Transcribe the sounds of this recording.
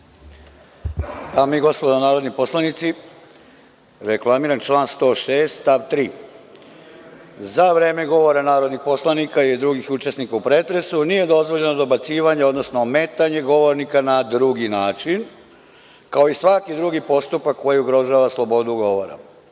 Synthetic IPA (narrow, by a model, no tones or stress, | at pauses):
p̪amiɡo̞spod̪onaːɾo̞d̪nipo̞slˠanit̪si | ɾeklˠamiɾant͡ʃlˠaːnst̪o̞ːʃe̞ːst̪st̪aʋt̪ɾiː | zaʋɾe̞ːme̞ɡo̞ʋo̞ɾanaːɾo̞d̪nixpo̞slˠanikailid̪ɾuɡixut͡ʃe̞snikaupɾe̞t̪ɾe̞sunije̞d̪o̞zʋo̞ʎe̞nod̪o̞bat̪siːʋaɲeo̞d̪nosnome̞t̪aɲe̞ɡo̞ʋo̞ɾnikanad̪ɾuɡinaːt͡ʃin | kao̞isʋakid̪ɾuɡipo̞st̪upakːo̞jiuɡɾo̞ʒaːʋaslˠo̞bo̞d̪uɡo̞ʋoɾa̰